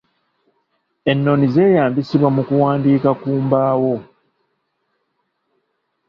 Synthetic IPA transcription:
e̞nːo̞nize̞ːjaːmbisiβwamukuwaːndiːkakuːmbaːwo̞

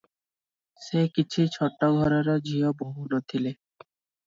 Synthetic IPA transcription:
ʃekit͡ɕʰit͡ɕʰɔʈːoɡʱɔɾaɾod͡ʑʱioboɦuɾot̪ʰile

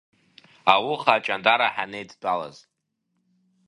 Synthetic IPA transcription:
awʊχaːt͡ʃʼandʼaɾaħanejd͡zbala̰z

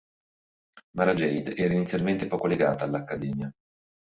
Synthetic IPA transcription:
maɾad͡ʒɛjd̪ɛːɾainit̪sjalment̪epɔːkoleɡaːt̪aːlːakːad̪ɛːmja

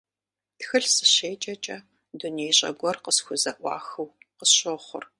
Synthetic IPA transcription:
txɨɬsɨɕeːt͡ʃʼɐt͡ʃʼɐ | dunejɕʼɐ̰ɡʷɔrqəsxʷʊzɐʔʷɑ̰ːxɨwqəsɕoːχʷʊ̰r

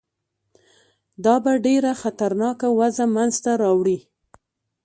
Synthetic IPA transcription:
d̪ɑbaɖeɾaxat̪aɾnɑkawazamanzt̪aɾɑwɽi

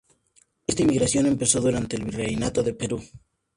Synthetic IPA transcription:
e̞st̪aimːiɣɾasjo̞ne̞mpe̞so̞ðuɾant̪e̞ːlβirejnat̪o̞ðe̞pe̞ɾu

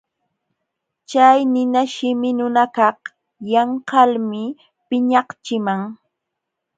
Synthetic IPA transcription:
t͡ʃajnɪnaʃɪmɪnʊnakɑh | jɑɴhɑlmɪ | pɪɲɑqt͡ʃɪmaŋ

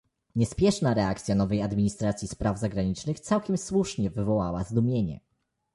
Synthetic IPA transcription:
ɲɛspʲjɛʂnaɾɛak̚t̪sʲjanɔvɛjad̪mʲiɲist̪ɾat̪sʲjispɾavzaɡɾaɲit͡ʂnɘxt̪sawkʲɛmswuʂɲɛvɘvɔwawazd̪umʲjeɲɛ̰

